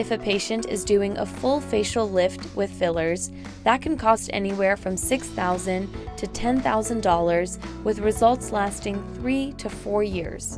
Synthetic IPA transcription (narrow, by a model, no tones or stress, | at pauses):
ɨfɨpʰeɪʃɨ̃ntɨ̰zdʉɪ̃ŋʔə̰fʊlˠfeɪʃl̩ˠlɪftwɨð̥fɪlˠə˞z | ðət̚kʰn̩kʰɔstɛ̰niwɛɹfɹʌ̃msɪksθaʊzɨ̃ntʰɨtʰɛ̃nθaʊzɨ̃ndɔlˠə˞zwɨðɹɨzʌlˠtslæstɪ̃ŋθɹiɾɨfɔɹjɪ̰ɹz̥